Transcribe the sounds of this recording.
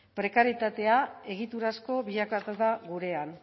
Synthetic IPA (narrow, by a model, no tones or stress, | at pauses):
pɾe̞kaɾjit̪at̪e̞ae̞ɣit̪uɾasko̞βiʎakat̪uðaɣuɾe̞an